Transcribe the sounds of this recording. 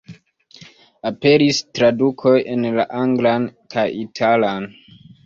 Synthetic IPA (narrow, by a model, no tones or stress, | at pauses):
ape̞ɾistɾadukʰo̞je̞nlaʔaŋɡlankʰajitʰalan